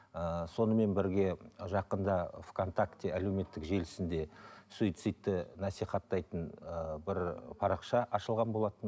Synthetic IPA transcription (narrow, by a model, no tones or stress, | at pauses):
əso̞nəme̞nbɪɾɡʲe̞ʒɑqənd̪ɑfkʰont̪akt̪ʲːieæle̞wme̞t̪ːɪkʒe̞lɪsɪnd̪e̞suit̪sɨt̪ːɪnɑsijχɑt̪ːɑjt̪ənəbɪɾpʰɑɾɑqʃɑʔɑʃəlˠʁɑnbo̞lˠɑt̪ən